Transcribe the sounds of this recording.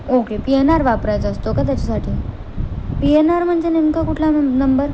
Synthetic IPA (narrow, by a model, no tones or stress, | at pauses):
okepienaɾʋapɾajt͡səst̪okat̪jat͡ɕasaʈʰiː | pienaɾm̤əɳd͡zeneŋkakuʈʰlanəmbəɾ